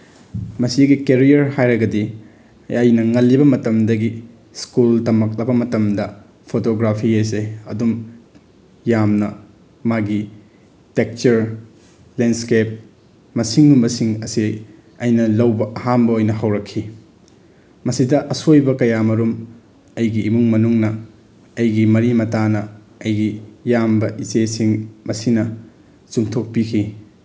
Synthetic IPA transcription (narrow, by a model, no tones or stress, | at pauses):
mɐsiɡikeɾijɐɾhajɾɐɡɐdi | ɐjnɐŋɐlːibɐmɐtɐmdɐɡi | skultɐmɐk̚lɐbɐmɐtɐmdɐ | pʰotoɡɾapʰies̬eɐ̰dum | jamnɐ | maɡi | tek̚t͡ʃɐɾ | lenskep̚ | mɐsiŋnumbɐsiŋɐsi | ɐjnɐlɐwbɐʔɐhambɐojnɐɦɐwɾɐkʰːi | mɐsidɐʔɐsojbɐkɐjamɐɾum | ɐjɡiːmuŋmɐnuŋnɐ | ɐjɡimɐɾimɐtanɐ | ɐjɡijambɐʔisesiŋmɐsinɐ | t͡ʃuŋtʰok̚pikʰi